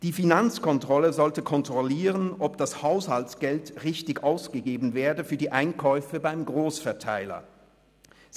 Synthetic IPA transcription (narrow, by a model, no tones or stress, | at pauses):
d̥iːfinant͡skɔntʁ̥ɔləzɔltəkʰɔntʁ̥ɔliːʁənʔɔpd̥ashaʊshaltsɡ̥ɛltʁɪçtɪçʔaʊsɡ̥əɡeːbn̩vɛːɐdəfyːɐdiːʔaɪnkʰɔʏfəbaɪmɡʁoːsfɛɐtʰaɪlɐ̰